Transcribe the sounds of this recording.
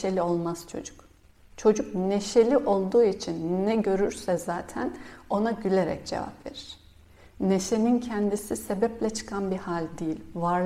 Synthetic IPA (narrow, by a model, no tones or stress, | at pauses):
elʲio̞lˠmaz̥t͡ʃʰo̰d͡ʒu̥k | t͡ʃʰo̞d͡ʒuk̚ne̞ʃe̞lʲiʔo̞lˠd̪uːit͡ʃʰinːɛɟø̞ɾyɾsɛzaːt̪ʰæno̞naɟylʲe̞ɾɛ̰c̚d͡ʒe̞̰va̰pve̞̰ɾiɾ̥ | ne̞ʃe̞nincʰɛnd̪isise̞bɛplʲɛt͡ʃʰɯ̥kʰanbihalʲd̪ijilʲvaɾ